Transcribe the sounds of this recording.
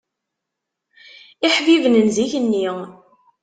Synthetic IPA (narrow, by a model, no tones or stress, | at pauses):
iħvivnənziçənːi